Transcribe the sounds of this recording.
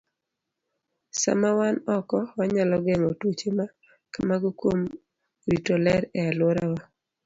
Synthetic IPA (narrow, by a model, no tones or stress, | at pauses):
sa̰mawanɔkɔwaɲalɔɡemotut͡ʃema | kamaɡokwom | ɾitolɛɾɛaloɾawa